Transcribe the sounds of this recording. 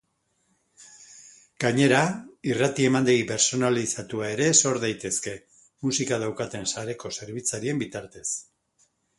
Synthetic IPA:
ɡ̥aɲe̞ɾairat̪ie̞mand̪eɣipe̞ɾso̞nalisat̪uae̞ɾe̞so̞ɾðajt̪e̞ske̞ | musikað̞awkat̪e̞nsaɾe̞ko̞se̞ɾβit͡saɾie̞mbit̪aɾt̪e̞s

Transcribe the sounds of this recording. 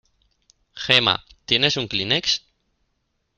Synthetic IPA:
xema̰t̪jenesuŋklineks

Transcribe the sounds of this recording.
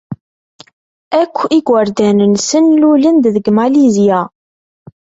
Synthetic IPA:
ækʷːiɡʷwəɾd̪ænənsənlulənd̪ðəɡmalizija

